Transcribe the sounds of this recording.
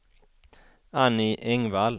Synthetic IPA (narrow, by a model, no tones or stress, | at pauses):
anɪʔɛŋval